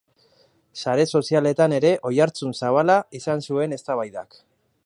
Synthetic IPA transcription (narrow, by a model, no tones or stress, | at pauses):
saɾe̞so̞siale̞t̪ane̞ɾe̞ʔo̞jaɾt͡sunsaβ̞alaisansue̞ne̞st̪aβajða̰k